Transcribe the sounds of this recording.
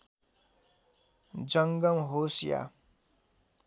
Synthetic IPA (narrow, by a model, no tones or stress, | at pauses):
d͡zʌŋɡʌmɦosja̰